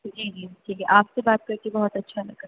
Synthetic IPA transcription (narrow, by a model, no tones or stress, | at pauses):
d͡ʒiːd͡ʒiːʈʰiːkʰɛʔaːpsebaːt̪̚kɐɾkebɐɦɔt̪ɐtːʃʰanɐkɐ